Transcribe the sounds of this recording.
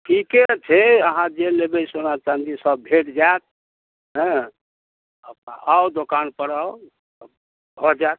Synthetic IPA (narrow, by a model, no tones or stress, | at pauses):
kiket͡ʃʰeəɦãd͡ʒelebɛsonat͡ʃand̪isəb̚bʱeʈd͡ʒajt̪̚ | ɦɛ̃ | əpʔawd̪okanpəɽa | b | ɦɔd͡ʒat̪̚